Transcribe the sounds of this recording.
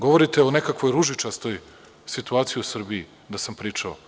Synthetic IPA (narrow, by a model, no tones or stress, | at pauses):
ɡo̞ʋoɾit̪eonekakʋo̞jɾuʒit͡ʃast̪oj | sit̪uaːt̪sijiusr̩bii | d̪asampɾiːt͡ʃao